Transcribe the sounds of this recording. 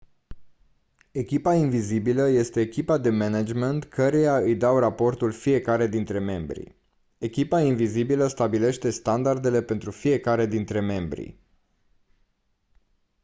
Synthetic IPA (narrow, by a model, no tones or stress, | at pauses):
e̞kʲipainvizibiləje̞st̪e̞ːkʲipad̪e̞menad͡ʒment̪kʰəɾejaɨjd̪awrapo̞rt̪ulfije̞kaɾe̞d̪int̪ɾe̞me̞mbɾḭ | e̞kʲipainvizibiləst̪abile̞ʃt̪e̞st̪and̪ard̪e̞le̞pe̞nt̪ɾufije̞kaɾe̞d̪int̪ɾe̞me̞mbɾḭ